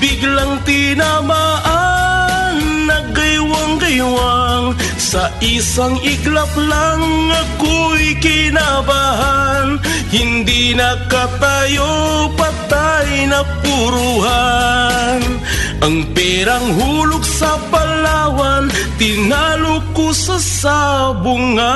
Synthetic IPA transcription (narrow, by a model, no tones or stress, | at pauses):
bɪɡlaŋt̪ɪnamaʔa | nːɐɡɐjwaŋkɐjwaŋ | sɐʔisaŋɪɡlɐplaŋːɐkojkɪnabaɦan | hɪnd̪inɐkat̪ajopat̪ajnɐpuɾuɦa | n | ʔɐŋpɛɾaŋɦulʊk̚sɐpalawant̪ɪnalokosasabʊŋa